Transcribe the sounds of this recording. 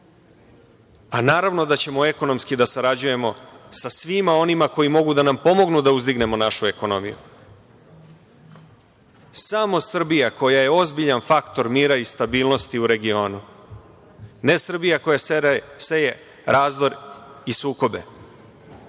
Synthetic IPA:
anaːɾaʋno̞d̪at͡ɕe̞moe̞ko̞no̞mskid̪asaɾad͡ʑuje̞mo̞sasʋimao̞nimako̞jimo̞ɡud̪anampo̞mo̞ɡnud̪auzd̪iɡne̞mo̞naʃue̞ko̞no̞mḭjṵ | samo̞sr̩bijako̞jaje̞o̞zbiʎanfakt̪o̞ɾmiːɾaist̪abiːlˠno̞st̪iuɾe̞ɡio̞ːnu | ne̞sr̩bijako̞jaseje | ɾaːzd̪o̞ɾisuːko̞be̞̰

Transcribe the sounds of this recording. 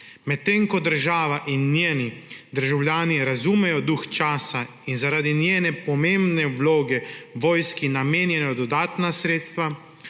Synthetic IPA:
mɛt̪ːeŋkɔd̪əɾʒaːʋaʔinːjeːnid̪əɾʒawljaːniɾazuːmɛjɔd̪uxt͡ʃaːsa | inzaɾaːd̪injeːnɛpɔmẽmbnɛwloːɡɛʋoːjskinameːnjɛnɔd̪ɔd̪aːt̪nasɾeːt̪st̪ʋa

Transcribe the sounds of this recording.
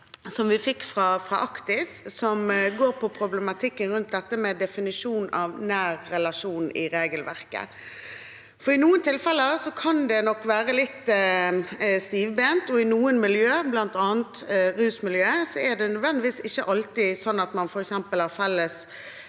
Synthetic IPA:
sɔmʋɪfɪkːfɾɑfɾɑʔɑkt̪ɪssɔmɡoːɾpʰɔpʰɾʊbləmɑt̪ʰɪkːənɾʉnt̪̚d̪ɛt̪ːəmɛd̪ɛfɪnɪʂuːnɑʋnæːɾːɛlɑʂuːnɪɾeːɡəlʋæ̰ʁkə̰ | fɔɾɪnuːənt̪ʰɪlfɛlːəsɔkʰɑnd̪ɛnɔkːʋæːʁəlɪt̪ː | st̪iːʋbeːnt̪ɔɪnuːənmɪljøːblɑnt̪ɑːnt̪ɾʉːsmɪljøːsɔæd̪ɛnœd̪ʋɛnd̪ɪʋiːsɪçːəʔɑlt̪ɪsɔnːɑt̪mɑnfɔɾɛksɛmpəlhɑɾfɛlːəs

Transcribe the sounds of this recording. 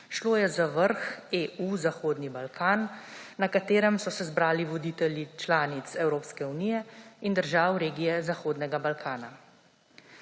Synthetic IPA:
ʃloːjɛzaʋəɾxeːʔuːzaxoːd̪nibalkʰaːnːakat̪eːɾɛmsɔsɛzbɾaːliʋɔd̪iːt̪ɛljit͡ʃlaːnit̪sɛwɾoːpskɛunijɛind̪əɾʒaːwɾeːɡijɛzaxoːd̪nɛɡabalkʰaːna

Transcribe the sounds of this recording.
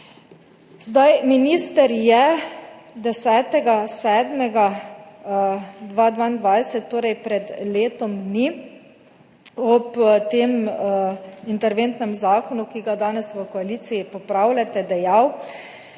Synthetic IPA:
zd̪ajminiːst̪ɛɾjɛ | d̪ɛsɛːt̪ɛɡasɛːd̪mɛɡa | d̪ʋad̪ʋaːind̪ʋajsɛt̪ːoːɾɛjpɾɛd̪leːt̪ɔmni | ɔpt̪eːm | int̪ɛɾʋent̪nɛmzaːkɔnukiɡad̪aːnɛsʋəkɔaliːt̪sijipɔpɾaːwlʲat̪ɛd̪ɛjaw

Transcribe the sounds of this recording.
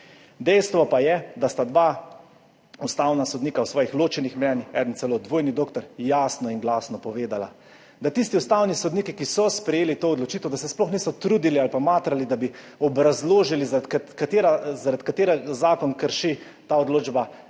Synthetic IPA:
d̪ɛjst̪ʋɔpajɛd̪ast̪ad̪ʋa | ust̪awnasɔd̪niːkawsʋɔːjixloːt͡ʃɛnixmɛnixɛ̰d̪ənt̪sɛloːd̪ʋoːjnid̪oːkt̪ɔɾjaːsnɔinɡlaːsnɔpɔʋeːd̪ala̰ | d̪at̪ist̪iust̪aːwnisɔd̪niːkikisɔspɾɛjeːlit̪oːɔd̪lɔt͡ʃiːt̪ɛwd̪asɛsplɔxniːsɔt̪ɾuːd̪ilialpamaːt̪ɾalid̪abi | ɔbɾazloːʒilizkat̪eːɾazaɾat̪kat̪eːɾɛɡazaːkɔnkəɾʃi | t̪aɔd̪loːd͡ʒba

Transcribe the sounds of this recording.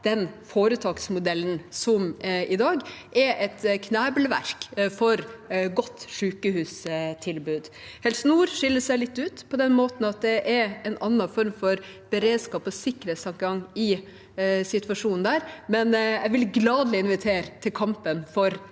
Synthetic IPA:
d̪̥ɛnfoːɾət̪ʰɑːksmʊd̪ɛlːn̩sɔmɪd̪ɑːɡʔɛɾʔɛt̪kʰnæːbəlʋæ̰ɾkfɔɾɡɔt̪ːʂʉːkəhʉːst̪ʰɪlbʉːd̪ | hɛlsnuːɾʂɪlːəʂæɪlɪt̪ːʉːt̪pʰɔd̪ɛnmoːt̪n̩ɑt̪̚d̪ɛʔɛɾɛnɑnːɑfɔɾmfɔɾb̥əɾeːd̪skɑːpɔsɪkːəɾeːt̪st̪ɑŋkəɡɑŋːɪ | sɪt̪ʋɑʂuːnn̩d̪æːɾmɛnjæɪʋɪlɡlɑːd̪lɪɪnʋɪt̪ʰeːɾt̪ʰɪlkʰɑmpənfɔɾ

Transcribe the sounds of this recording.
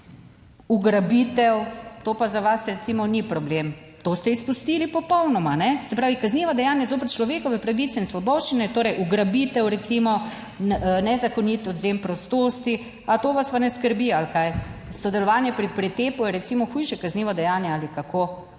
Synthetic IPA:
uɡɾabit̪ɛwt̪oːpazaʋasɾɛt̪simɔnipɾɔblem | t̪ost̪ɛispust̪ilipɔpɔwnɔmanɛsɛpɾaːʋikazniʋad̪ɛjaːnjazoːp̬əɾt͡ʃlɔʋeːkɔʋɛpɾaʋit̪sɛinsʋɔbɔːʃt͡ʃinɛt̪oːɾɛjʔuɡɾabit̪ɛwɾɛt̪simɔ | nɛzakonit̪ɔd̪zempɾɔst̪oːst̪i | at̪oːʋasʋanɛskəɾbialkajsɔd̪ɛlɔʋaːnjɛpɾipɾit̪eːpujɛɾɛt̪simɔxujʃɛkazniːʋɔd̪ɛjaːnjɛaːlikakʰo

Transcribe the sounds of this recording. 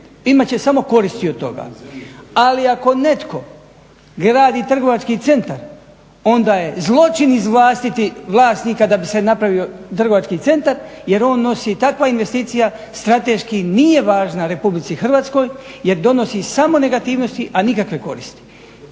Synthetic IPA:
imat͡ɕe̞samo̞ko̞ɾist̪iod̪̚t̪o̞̰ɡa̰ː | aliako̞ne̞t̪ko̞ | ɡɾaːd̪iːt̪r̩ɡo̞ʋat͡ʃkit̪se̞nt̪aɾ | o̞nd̪aːje̞zlˠo̞t͡ʃinizʋlˠaːst̪it̪iʋlˠaːst̪niːkad̪abise̞napɾaʋio̞t̪r̩ɡo̞ʋat͡ʃkiːt̪se̞nt̪aɾje̞ɾo̞ːnːo̞siːt̪akʋainʋe̞st̪iːt̪sija | st̪ɾat̪eʃkinije̞ʋaːʒnaɾe̞publit̪sixr̩ʋaːt̪sko̞jje̞ɾd̪o̞no̞sisamo̞ne̞ɡat̪iːʋno̞st̪iʔanikakʋe̞ko̞ɾist̪i̥

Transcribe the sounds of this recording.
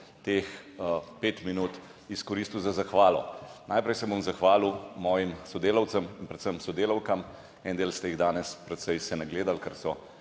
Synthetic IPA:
t̪eːxpeːt̪minuːt̪ | iskɔɾiːst̪uzazaxʋaːlɔ̰najpɾɛjsɛbomzaxʋaːlimɔːjimsɔd̪eːlɐwt̪səminpɾɛt̪səmsɔd̪eːlɐwkɐm | ɛnd̪eːlst̪ɛjiɣd̪aːnɛspɾɛt̪sɛjsɛnaɡleːd̪alkɐɾsɔ

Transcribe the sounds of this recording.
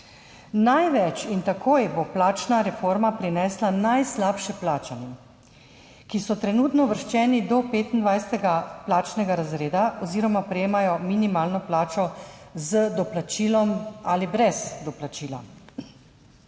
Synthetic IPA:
najʋɛt͡ʃint̪akʰoːjbɔplaːt͡ʃnaɾɛfoɾmapɾinɛːslanajslaːpʃɛplaːt͡ʃanɛ | kisɔt̪ɾɛnuːt̪nɔʋəɾʃt͡ʃɛːnid̪ɔpeːt̪ind̪ʋajsɛt̪ɛɡaplaːt͡ʃnɛɡaɾazɾeːd̪aɔziːɾɔmapɾɛjeːmajɔminimaːlnɔplaːt͡ʃɔzəd̪ɔplat͡ʃiːlɔmalibɾɛzd̪ɔplat͡ʃiːla̰

